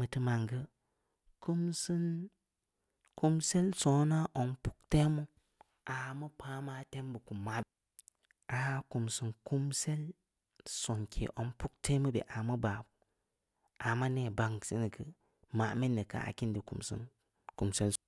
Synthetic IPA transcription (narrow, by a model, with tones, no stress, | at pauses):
ə˨tɨ˦ma˨ŋɡə˦ | ku˦msɨ˦n | ku˦mse˦lso˨˦na˦ʔo˨npu˦k̚te˦mu˦ | ʔa˨mə˦pʰa˦ma˦te˦mbə˨ku˨mːa˦˨ | a˨˦ku˨msɨ˨nku˦mse˦l | so˨ŋkʰḛ˨ʔo˨npu˦k̚te˦mə˦bḛ˨ʔa˨mə˦ba˨bu˨ | a˨ma˦ne˨ba˨ŋ˨si˦nə˨kə˨ | ma˨mi˦nːə˨ka̰˨a̰˨ki˦ndi˨kṵ˨msɨ̰˦n | ku˨mse˦l